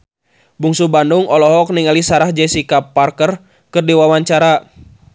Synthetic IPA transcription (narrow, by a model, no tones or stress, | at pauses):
buŋsubanduŋɔlɔɦɔk̚niŋalisaɾahd͡ʒɛsikapːarkər | kɨrdiwawaɲt͡ʃaɾa